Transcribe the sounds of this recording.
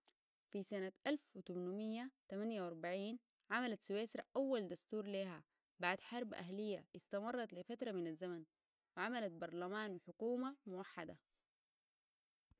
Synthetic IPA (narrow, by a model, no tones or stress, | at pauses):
fisanaʔalfʔut̪umnumijːat̪amanjawɑɾˤbaʕiːn | ʕamalat̪siweːsɾˤaʔawːald̪ast̪uːɾleːɦa | baʕd̪ħɑɾˤbʔa̰ɦlijːaʔɪst̪amɑrˤːɑt̪lifat̪ɾˤɑminazːaman | wɪʕamalat̪̚bɑɾˤlamaːnwɪħʊkuːmamʊwaħːad̪a̰